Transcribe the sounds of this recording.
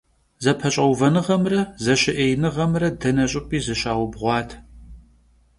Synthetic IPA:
zɐpʰɐɕʼɐwvɐnɨʁɐmrɐzɐɕɪʔejnɨʁɐmrɐdɐnɐɕʼɪpʼiːzɨɕaːwʊbʁʷɑːtʰ

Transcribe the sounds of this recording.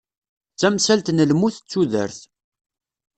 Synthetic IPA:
t͡sːæmsælt̪nəlmuθət͡sːuðə̰ɾθ

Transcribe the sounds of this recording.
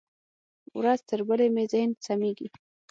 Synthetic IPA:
wɾazt̪əɾbəlemezɪhɪnsameɡi

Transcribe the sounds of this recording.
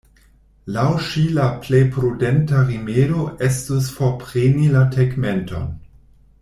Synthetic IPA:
lawʃilaplejpɾudentaʁimeɾoʔestusfopʁenilatʰeɡmento̰n

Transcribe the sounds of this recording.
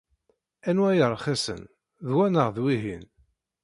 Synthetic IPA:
ænwæjəɾˤχæsə̰n | ðwænəʁðwiɦin

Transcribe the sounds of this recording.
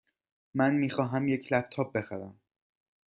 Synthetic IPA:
mænmiːxɒːɦæmjecʰlæp̚t̪ʰɒːb̚be̞xæɾæm

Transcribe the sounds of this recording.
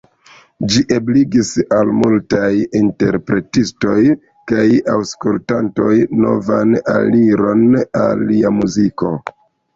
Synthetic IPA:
d͡ʒiʔebliɡisalmultajinte̞ɾpɾe̞tisto̞j | kajawskultanto̞jno̞vana̰liɾo̞na̰lːiamuziko̞

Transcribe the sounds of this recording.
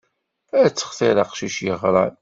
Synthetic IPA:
æt͡sːə̥χθɪɾɑqʃiʃjəʁɾˤɑn

